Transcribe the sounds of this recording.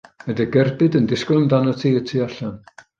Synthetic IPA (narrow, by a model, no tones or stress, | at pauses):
ədəɡɛrbɨdəndɪsklˠɔndanɔtʰiːətʰiaɬan